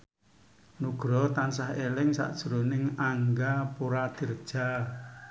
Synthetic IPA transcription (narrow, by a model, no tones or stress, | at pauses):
nuɡ̥ɾɔt̪ansaɦelɪŋsa̰ʔd̥ʒ̥uɾonɪŋaŋɡapuɾad̪̥i̤rəd̥ʒ̥a